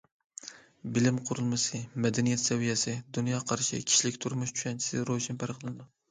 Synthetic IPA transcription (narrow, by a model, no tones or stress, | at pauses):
bɪlɪmqʰʊɾɨlˠmɨsɨmɛd̪ɛnijɛt̪sɛvijɛsɪd̪unjɑqʰɑɾʃɪ̰kʲʰi̥ʃlɪkʲt̪ʰuɾmʊʃt͡ʃʰu̥ʃɛnt͡ʃʰi̥sɪɾoʃɪnpʰæɾqʰlˠɨnɨd̪u